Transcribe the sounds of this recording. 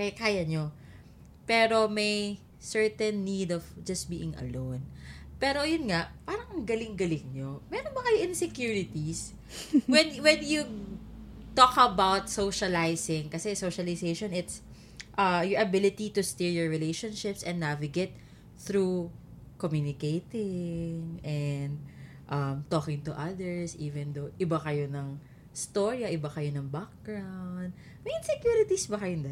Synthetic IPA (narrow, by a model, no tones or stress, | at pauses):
kɐjkaːjɐɲo | pɛːɾo̞mɐj | sɛɹt̪ɛnːid̪ɔvd͡ʒɐst̪̚biːʔɪ̃ŋʔɐ̰lownpɛːɾo̞jʊnŋaʔpaːɾɐŋɐŋɡɐlɪŋɡɐlɪŋɲomɛɾonbɐkɐjoʔɪnsɛkjuɹɪt̪is | wɛnwɛnju | t̪okɐbawt̪sowʃɐlajsɪŋkɐsɛsowʃɐlɪsejʃonɪt̪s | ʔɐjɔʔɐbɪlɪt̪it̪ʊst̪iɹjɔɹɹɪlejʃɔ̃nʃɪpsʔɛ̃nnavɪɡɛt̪̚ | θɾu | kɔmjunɪkejt̪ɪŋɛnd̪̚ | ʔɐmt̪oːkɪ̃ŋt̪ʊʔɐd̪ɛɹsʔiːvɛ̃nd̪oʔɪbakɐjonɐŋ | st̪oɹijɐʔɪbɐkɐjonɐŋbak̚ɡɹawnd̪̚ | mɛɪnsɛkjuɾɪt̪isbɐkɐjʊnd̪ɐ